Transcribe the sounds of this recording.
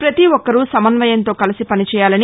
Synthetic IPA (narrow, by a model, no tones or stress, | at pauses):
pɾɐt̪iʋɔkːɐɾusɐmɐnʋɐjɐnt̪o̞ːkɐlisipɐnit͡ʃɛːjaːlɐni